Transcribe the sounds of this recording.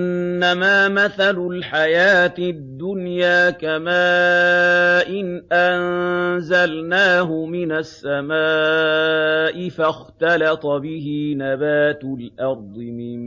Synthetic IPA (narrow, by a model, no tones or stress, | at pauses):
nːamaːmaθalʊlħajaːt̪dd̪ːʊnjaːkamaː | ʔɪnʔanzalnaːɦʊmɪnasːamaː | ʔɪfaxt̪ɑlɑt̪ˤbɪɦinabaːt̪lʔɑɾˤd̪ˤɨmɪ